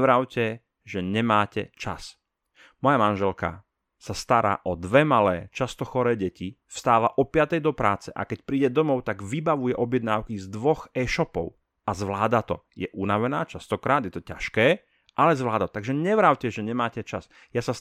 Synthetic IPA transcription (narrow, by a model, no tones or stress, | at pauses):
ʋɾaʊcɛ | ʒɛɲɛmaːcɛ̰t͡ʃa̰s | mɔjamanʒɛlka̰ | sast̪aɾa̰ːʔɔd̪ʋɛmalɛːt͡ʃast̪ɔxɔɾɛːɟɛci | fst̪aːʋaʔɔpɪat̪ɛjd̪ɔpɾa̰ːt͡sɛʔa̰kɛcpɾiːɟɛd̪ɔmɔʊt̪aɡʋibaʋujɛʔɔbjɛd̪naːʊkizd̪ʋɔxɛːʃɔpɔ̰ʊ | azʋlaːd̪at̪ɔ̰jɛʔunaʋɛnaːt͡ʃast̪ɔkɾaːd̪jɛt̪ɔca̰ʃkɛː | ʔalɛzʋlaːd̪at̪t̪aɡʒɛɲɛʋɾaʊcɛʒɛɲɛmaːcɛt͡ʃas | jasa